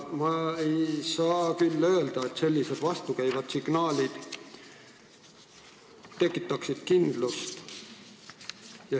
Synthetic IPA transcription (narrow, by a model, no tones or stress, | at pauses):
mɑe̞jsɑːkylːø̞eld̪̥ɑe̞t̪ːˑse̞lʲːise̞d̪̥vɑst̪ukæjvɑd̪̥siɡ̥nɑːlʲid̪̥ | t̪e̞kːˑit̪ːˑɑksid̪̥kind̪lust̪ | jɑ